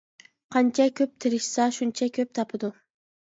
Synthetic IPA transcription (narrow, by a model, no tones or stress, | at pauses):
qʰɑnt͡ʃʰakʲʰøp̚t̪ʰɪɾɪʃsaʃunt͡ʃʰakʰʲøp̚t̪ʰɑpʰɨd̪ʊ